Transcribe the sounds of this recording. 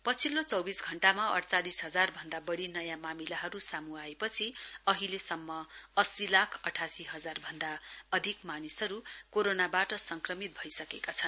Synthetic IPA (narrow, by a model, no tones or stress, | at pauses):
pʌt͡sʰilot͡sʌwbisɡʱʌɳʈamaʌ̰ɽt͡salisɦʌd͡zarbʱʌnd̪abʌɽinʌjamamilaɦʌɾusamuaepʌt͡sʰiʌɦilesʌmːʌʌsilakʰʌʈʰasiɦʌd͡zarbʱʌnd̪aʌd̪ʱikmanisʌɾukoɾonabaʈʌsʌŋkrʌmit̪̚bʱʌjsʌkekat͡sʰʌn